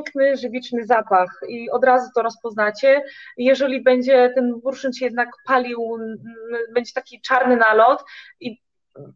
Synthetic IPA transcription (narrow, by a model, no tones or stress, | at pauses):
ŋknɘʐɘvʲit͡ʂnɘzapaxiɔd̪ɾazut̪ɔɾɔspɔznat͡ɕɛjɛʐɛlʲibɛɲd͡ʑɛt̪ɛnbuɾʂɛnt͡ɕjɛd̪̚nakpalʲiw | bɛɲd͡ʑɛt̪akʲit͡ʂaɾnɘnalɔt̪ | i